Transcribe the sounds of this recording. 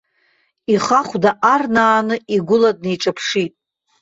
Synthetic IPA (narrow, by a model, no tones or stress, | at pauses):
iχaχʷdaʔarnaːnɨiɡʷʊlad̚nejʈ͡ʂʼapʰʂitʼ